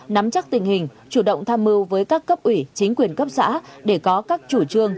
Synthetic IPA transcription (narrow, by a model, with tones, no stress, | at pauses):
na˨˦mt͡ɕa˦˥k̚t̪ï˨˩ŋ̟hï˨˩ŋ̟t͡ɕu˧˩ɗə̰˧˨wŋ͡mt̪ʰaː˧mːɨ˧wvəː˨˦jkaː˦˥kːə˦˥p̚ʔwi˧˩t͡ɕï˨˦ŋ̟kwi˨˩ənkə˦˥p̚sa̰ː˧˥ɗe˧˩kɔ˨˦kaː˦˥k̚t͡ɕu˧˩t͡ɕɨ˧əŋ